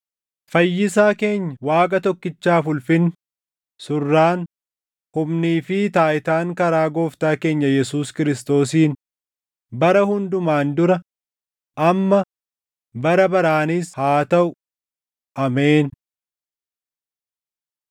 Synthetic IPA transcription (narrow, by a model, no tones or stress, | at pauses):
fɐjːɪsaːke̞ːɲːɐwaːkʼɐt̪ɔkːɪt͡ʃːaːfʊlfɪn | sʊrːaːn | hʊmniːfɪt̪aːʔɪt̪aːŋkɐɾaːɡo̞ːft̪aːke̞ːɲːɐjɛsuːskɪɾɪst̪o̞ːsiːn | bɐɾɐhʊnd̪ʊmaːnd̪ʊɾɐ | ʔɐmːɐ | bɐɾɐbɐɾaːnɪshaːt̪ɐʔʊ | ʔɐmeːn